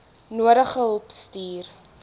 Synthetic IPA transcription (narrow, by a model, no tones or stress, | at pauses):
nuəɾəχəɦəlˠpstiːr